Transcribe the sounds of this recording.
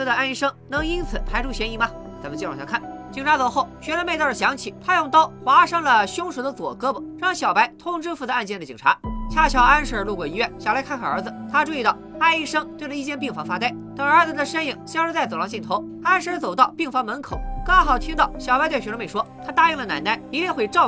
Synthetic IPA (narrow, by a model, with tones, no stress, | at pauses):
d̪ə˧a˥˧ni˥˩ʂɤ˥ŋnɤ˧˥ŋi˥nt͡sʰɹ̩˨˧˩p̪ʰa˧˥ɪʈ͡ʂʰu˥˩ɕjɛ˧˥ni˧˥˩mɐ˧ | t͡sa˧˥mə˧nt͡ɕjɻɕʰjŋkʰa˥˩nt͡ɕi˨˩ŋʈ͡ʂʰa˧˥t͡so˨˩ʊxo˥˩ʊɕɥɛ˧˥lə˥me˥˧tɕjɑ˧˥ŋt͡ɕʰḭ˨˩t̪ʰa˥jʊ˥˧ŋt̪ɑ˥ʊxwa˧˥ʂɤ˥ŋlə˨ɕjʊ˥ŋʂu˧˥d̪ə˧t͡swɔ̰˨˩kɤ˥bə˨˩ɻɑ˥˧ŋɕjɑ˨˩ʊpa˧˥ɪt̪ʰʊ˥ŋʈ͡ʂɻ̩˥fu˧d̪ə˧a˥˧nt͡ɕjɛ˥˩nd̪ə˩t͡ɕḭ˨˩ŋʈ͡ʂʰa̰˧˥t͡ɕʰja˥˩t͡ɕʰjɑ˧˩ʊa˥nʂ̩˧˥˩lu˥˩kwɔ˨˩i˧˥ɥɛ˥˩nɕjɑ˨˩la˧˥ɪkʰa˥˧nkʰa˧˩ə˞˧˥d͡z̩˧t̪ʰa˥ʈ͡ʂu˥˧i˥˧t̪ɑ˥˩ʊa˥˧ɪi˥˧ʂɤ˥ŋt̪we˥˩ɪlə˧i˥˧t͡ɕjɛ˥˧np̬i˥˩ŋfɑ˧˥ŋfa˥t̪a˥˩ɪt̪ɤ˨˩ŋə˞˧˥d͡z̩˧d̪ə˨ʂə˥ni˨˩ŋɕjŋʂɻ̩˥t͡sa˥˩ɪt͡so˨˩ʊlɑ˧˥t͡ɕi˥˩nt̪ʰo˧˥ʊtʰa˥nʂɻ̩˧˥t͡so˨˩ʊt̪ɑ˥˧ʊpi˥˩ŋfɑ˧˥ŋmə˧˥nkʰo˨˩˦ʊkɑ˥ŋxɑ˨˩ʊt̪ʰi˥ŋt̪ɑ˥˩ʊɕjɑ˨˩ʊpa˧˥ɪwe˥˩ɕɥɛ˧˥lə˥me˥˩ɪʂwɔ˥t̪ʰa˥t̪a˥˧y˥˩ŋlə˩na̰˨˧˩ɪna˥˩ɪpi˧˥lɛ˥˧xwe˥˧ɪʈ͡ʂɑ˥˧ʊ